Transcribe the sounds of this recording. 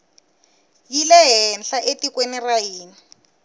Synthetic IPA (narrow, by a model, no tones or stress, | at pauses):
jilɛɦɛnɬaʔetikwenirajiːni